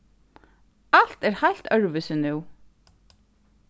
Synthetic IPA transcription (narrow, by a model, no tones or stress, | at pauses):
al̥t̪ɛɾhajl̥t̪œɹʋʏsɪnʉw